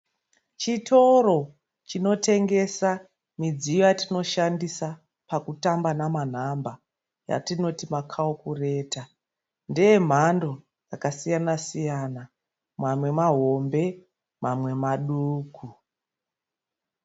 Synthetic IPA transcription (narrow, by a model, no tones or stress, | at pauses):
t͡ʃitʰo̞ro̞ | t͡ʃino̞te̞ŋɡe̞sa | mid͡zijojatino̞ʃandisa | pakutambanaman̤amba | ja̰tino̞timakʰaokure̞ːta | ndije̞m̤ando̞ | jakasijanasijana | mwamwe̞maɦo̞mbe̞ | mamwe̞maɗuːkʰu